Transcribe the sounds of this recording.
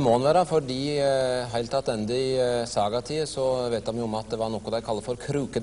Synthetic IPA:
mɔːɑnʋæːɾəfɔɖiːɦæɪt̪ʰɑt̪ɛnd̪əɪsɑːɡɑt̪ʰiːəsɔʋeːt̪d̪ɑnjʊʊɔmɑt̪̚d̪ɛʋɑɾnɔkːɔd̪æɪkʰɑlːəfɔɾkʰɾʉːkə

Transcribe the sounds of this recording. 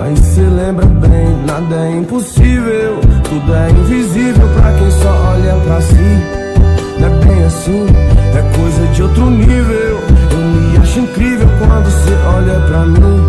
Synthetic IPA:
a̰iselẽmbɾɐbẽj̃nad̪ɐɛĩpʊsivewt̪ud̪ʊɛĩvizivewpɾɐ̰kẽj̃sɔɔʎapɾɐsi | ɛbẽj̃asĩt̪ɛkojzɐd͡ʒɪowt̪ɾʊnivewewmɪaʃʊĩkɾivewkwɐ̃nd̪ʊseʔɔʎɐpɾɐnĩ

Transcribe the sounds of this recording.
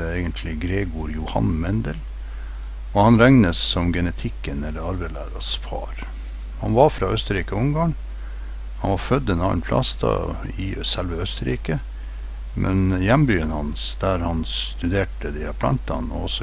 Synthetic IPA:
əeɪɡənt̪ʰlɪɡɾeːɡuːɾjʊhɑ̰nmɛnd̪əl | ɔhɑnɾɛŋnəsːɔmɡɛnət̪ʰɪkːənɛlːəɾɑɾbæɪlæ̰ːɾɑsfʰɑ̰ɾ | hɑ̰nʋɑɾfɾɑːœst̪əɾiːkəɔʊŋɡɑːŋ | hɑnʋɑɾfœd̪ːɛnɑ̰ːnpʰlɑ̰st̪ʰɑ̰ | ɪsɛlʋəœst̪əɾḭːkə | mʔɛnjɛmbyːənhɑnsd̪̥æɾhɑnst̪ʉd̪eːʈəd̪ɪɑɾpʰlɑ̰nt̪ɑ̰nɔ̰ɔsɔ

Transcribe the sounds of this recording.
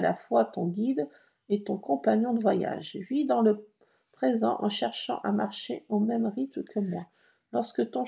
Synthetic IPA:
la̰fwat̪ɔ̃ɡʲid̪ | et̪ɔ̃kɔ̃paɲjɔ̃d̪əvwaja̰ʒvid̪ɑ̃lə | pχezɑ̰̃ʔɑ̰̃ʃɛʁʃɑ̰̃ʔamaʁʃeomɛmʁit̪məkʰəmwa | lɔʁskət̪ɔ̃

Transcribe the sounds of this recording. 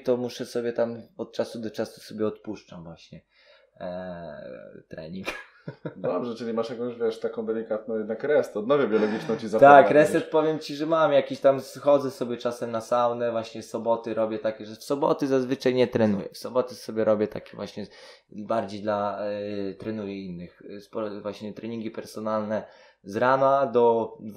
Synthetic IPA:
t̪ɔmuʂɛsɔbʲjɛt̪amɔt̪̚t͡ʂasud̪ɔt͡ʂasu̥sɔbʲjɛɔt̪puʂt͡ʂamvwaɕɲɛ | t̪ɾɛ̰ɲiŋk | d̪ɔbʐɛt͡ʂɨlʲimaʂjakɔ̃w̃ɕvʲjɛʂt̪akɔ̃w̃d̪ɛlʲikat̪̚nɔ̃w̃jɛd̪nakɾɛst̪ɛɔd̪̚nɔvʲjɛbʲjɔlɔɡʲit͡ʂnɔ̃w̃t͡ɕizat̪akɾɛsɛt̪pɔvʲjɛmt͡ɕiʐɛmamjakʲiɕt̪amsxɔd̪zɛsɔbʲjɛt͡ʂasɛmnasawnɛvwaɕɲɛsɔbɔt̪ɘɾɔbʲjɛt̪akʲɛʐɛfsɔbɔ̰t̪ɘzazvɘt͡ʂajɲɛt̪ɾɛnujɛ̰fsɔbɔt̪ɛsɔbʲjɛɾʔɔbʲjɛt̪a̰kʲɛvwaɕɲɛ | baɾd͡ʑejd̪la | t̪ɾɛnujɛinːɘxspɔɾvwaɕɲɛt̪ɾɛɲiŋɡʲipɛɾsɔnalnɛ | zɾanad̪ɔ

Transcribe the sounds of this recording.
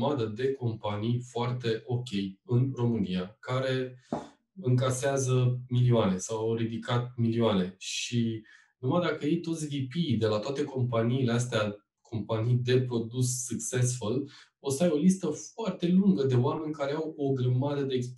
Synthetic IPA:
mad̪əd̪e̞ko̞mpanijfoart̪e̞ʔo̞kʲe̞jɨnro̞mɨnijakaɾe̞ | ɨŋkaseazəmilioane̞sawawɾid̪ikat̪̚milioane̞ʃi | numajd̪akəjejt̪o̞t̪sʲvipijd̪e̞lat̪oat̪e̞ko̞mpaniːle̞as̬t̪ea | kʰo̞mpanijd̪e̞pɾo̞d̪usːɨksesfol | o̞sajo̞list̪əfoart̪e̞luŋɡəd̪e̞oame̞nʲkaɾeawo̞ɡɾəmad̪əd̪e̞ːks

